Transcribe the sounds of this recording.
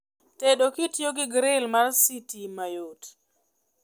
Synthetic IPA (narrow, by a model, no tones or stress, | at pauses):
teɗokɪtjoɡɪɡɾɪlmarsitimajot